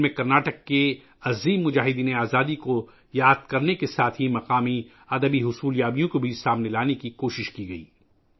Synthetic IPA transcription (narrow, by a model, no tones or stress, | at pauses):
mẽkɐɾnaːʈəkːe | ɐziːmːʊd͡ʒaːɦɪd̪iːneaːzaːd̪iko | jaːd̪̚kɐɾnekesaːt̪ʰɦimɐqaːmi | ɐd̪əbiɦʊsuːljaːbijõkobʱisaːmnelaːnekikoːʃɪʃkiɡɐḭː